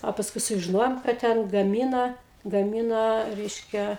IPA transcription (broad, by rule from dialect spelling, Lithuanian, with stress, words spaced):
oː pɐsˈkʊɪ sʊʒʲɪˈnoːjoːm kɐt ˈtʲɛn ɡɐˈmʲiːnɐ ɡɐˈmʲiːnɐ ˈrʲɛɪʃʲkʲɛ